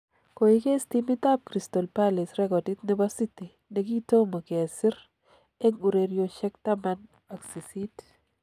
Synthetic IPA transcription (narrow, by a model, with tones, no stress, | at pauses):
ko˨ike˦stimi˦ta˦p̚kɾi˨stɔ˨lpali˨sɾɛkɔ˨ti˦t̪ne˦basi˦ti˨ | ne˨ki˦to˦ma˨ke˨a˨sɪ˦ɾ | ɛ˦ŋu˨ɾeɾjoʃɛ˦k̚taman | a˨ksi˨sit